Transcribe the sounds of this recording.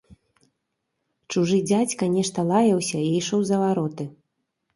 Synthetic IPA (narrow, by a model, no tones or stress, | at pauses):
t͡ʂuʐɨd͡zʲat͡sʲkɐnʲɛʂt̪ɐlˠajɐwsʲɐiiʂɔwzɐvaɾɔt̪ɨ